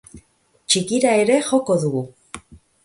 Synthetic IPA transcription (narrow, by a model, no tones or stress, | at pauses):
t͡ʃikiɾae̞ɾe̞xo̞ko̞ðuɣu